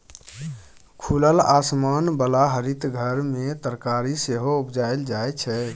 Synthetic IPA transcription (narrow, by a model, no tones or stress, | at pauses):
kʰuləlasmanbəlaɦəɾit̪ɡʱəɾmet̪əɾkaɾiseɦoubd͡ʒaeld͡ʒajt͡ʃʰɛ